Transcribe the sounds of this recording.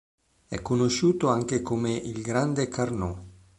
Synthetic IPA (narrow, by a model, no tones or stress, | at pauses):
ɛ̰kːonoʃuːt̪oaŋk̟ekomeʔilɡɾand̪ekʰarno